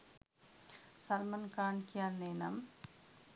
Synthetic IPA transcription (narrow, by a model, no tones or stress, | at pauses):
sɐlmɐnkaːɳkijaːnːeːnɐm